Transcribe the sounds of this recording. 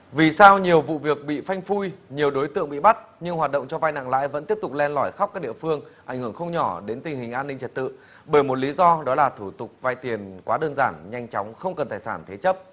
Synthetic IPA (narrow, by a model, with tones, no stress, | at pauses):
vi˨˩saː˧wɲi˨˩əwvṵ˧˨vi˨˩ək̚ɓḭ˧˨fa˧jŋ̟fu˧jɲi˨˩əwɗo˨˦jt̪ɨ̰˧˨əŋɓḭ˧˨ɓa˦˥t̚ɲɨ˧ŋhwaː˨˩t̚ɗə̰˧˨wŋ͡mt͡ɕɔ˧va˧jna̰ː˧˨ŋla̰ː˧˥jvə̰˧˥nt̪i˦˥əp̚t̪ʊ˨˩k̚lɛ˧nlɔ˧˩jxa˦˥wk͡p̚kaː˦˥k̚ɗ̰i˧˨əfɨ˧əŋʔa˧˩jŋ̟hɨ˧˩əŋxə˧wŋ͡mɲɔ˧˩ɗe˨˦nt̪ï˨˩ŋ̟ɦï˨˩ŋ̟ʔaː˧nːï˧ŋt͡ɕə˨˩t̚t̪ɨ̰˧˨ | ɓəː˧˩jmo˨˩t̚li˨˦zɔ˧ɗɔ˨˦laː˨˩t̪ʰu˧˩t̪ʊ˨˩k͡p̚vaː˧jt̪i˨˩ənkwaː˨˦ɗəː˧nzaː˧˩nɲa˧jŋ̟t͡ɕɔ˨˦wŋ͡mxə˧wŋ͡mkə˨˩nt̪aː˧˩jsaː˧˩nt̪ʰe˨˦t͡ɕə˦˥p̚